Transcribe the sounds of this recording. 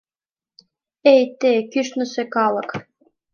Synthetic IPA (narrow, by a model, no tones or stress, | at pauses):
ejt̪ekyʃnɤ̆sekɑlɤ̆k